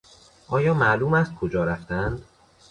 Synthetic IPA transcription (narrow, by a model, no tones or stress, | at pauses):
ʔɒːjɒːmæʔluːmæst̪̚kʰod͡ʒɒːɾæft̪ænd̪̥